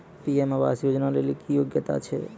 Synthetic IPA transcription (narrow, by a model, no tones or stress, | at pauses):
piemaʋa̰sjod͡ʒnalelikijoɡjət̪a̰t͡ʃʰḛ